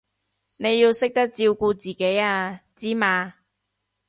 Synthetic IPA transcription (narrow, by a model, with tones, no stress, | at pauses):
ne˨˧jːiː˧wsɪ˥k̚t̪ɐ˥k̚t͡siː˧wkuː˧t͡siː˨˩ke˨˥jaː˧t͡siː˥maː˧